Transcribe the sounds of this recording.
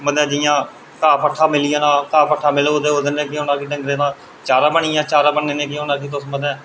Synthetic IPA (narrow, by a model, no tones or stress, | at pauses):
məd̪ɛ̃ːd͡ʒɪjãː | kaːpʰəʈʰːaːmɪlɪjãːnãːkaːpʰəʈʰːaːmɪlood̪eːoːd̪ənẽːk̬ɪʊnãːkiːɖə̃ŋɡɾeːnãː | t͡ʃaːɾãːbəɳɪjãːt͡ʃaːɾãːbəɳːẽːneːk̬ɪʊnãːkiːt̪̬ʊsməd̪ɛ̃ː